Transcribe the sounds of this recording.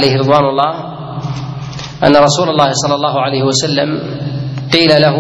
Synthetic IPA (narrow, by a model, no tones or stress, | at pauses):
lajhɪɾɨd̪ˤwaːnʊlˤːɑːh | ʔa̰nːaɾˤɑsuːlɑlˤːɑːhɪsˤɑlːɑlˤːɑːɦʊʕalajhɪwasalːa̰m | qiːlalaɦ